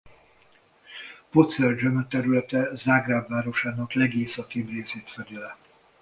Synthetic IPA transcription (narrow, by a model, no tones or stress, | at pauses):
pot̪sɛld͡ʒømøt̪ɛɾylɛt̪ɛzaːɡraːbːaːɾo̞ʃaːnɒklɛɡeːsɒt̪eːbreːseːt̪fɛd̪ilɛ